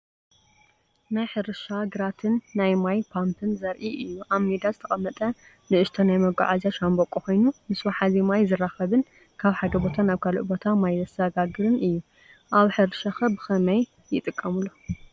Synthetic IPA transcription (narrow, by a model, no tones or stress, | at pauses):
najħɨɾɨʃaɡɨɾat̪ʰɨnːajmajpʰampʰɨnzɐɾʔiʔɨjːuʔaβmed̪azɨt̪ʰɐχʼɐmːɐt̪ʼɐ | nɨʔɨʃt̪ʰɐnajmɐɡa̰ʕazaʃambokʼuxo̞jnumɨswaħazimajzɨraxɐβɨn | kʰaβħad̪ɐbo̞t̪ʰanaβkʰaluʔbo̞t̪ʰamajzɐsɐɡaɡɨɾɨnɨjːu | ʔaβħɨɾɨʃaxɐbɨxɐmɐj | jɪt̪ʼɨkʼːɐmulːo